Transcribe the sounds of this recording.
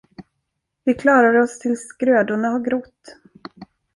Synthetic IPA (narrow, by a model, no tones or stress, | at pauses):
vɪkʰlɑːɾaɾəɔst̪ʰɪlskɾøːd̪ʊɳahaɡɾʊt̪ː